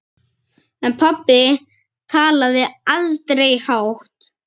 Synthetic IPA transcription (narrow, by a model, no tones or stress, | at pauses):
ɛnpʰapːɪ | t̪ʰaːlaðɪalt̪ɾejhawht̪